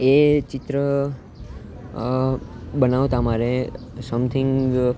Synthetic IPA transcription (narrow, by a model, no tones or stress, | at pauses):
et͡ʃɪt̪ɾə | bənaʋt̪amaɾesəmt̪ʰɪ̃ŋɡɡ